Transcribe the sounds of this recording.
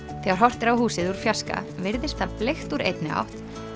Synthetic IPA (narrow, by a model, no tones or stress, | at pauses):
θɛɣaɾ̥ɦɔr̥t̪ɪɾawhuːsɪðuɾ̥fjaska̰vɪɾðɪst̪aplext̪uɾḛjt̪nɪa̰wht̪